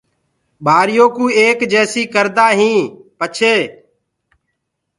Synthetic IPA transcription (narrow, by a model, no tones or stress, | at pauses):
ɓaːɾjoːkũːeːkd͡ʒɛːsiːkəɾd̪aːɦĩːpət͡ʃʰeː